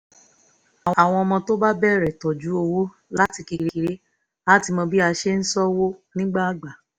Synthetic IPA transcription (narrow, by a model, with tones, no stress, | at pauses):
a˨a˨w̃ɔ̃˧ɔ˧mɔ̃˧to˦ba˦bɛ˦˨ɾɛ˨tɔ˨d͡ʒu˨˦o˧wo˦ | la˦ti˧ki˧ɾi˧˨˧ɾe˨˦ | a˦ti˧mɔ̃˧bi˦a˧ʃe˦n̩˦sɔ˦wo˦nĩ˦ɡ͡ba˦a˨ɡ͡ba˨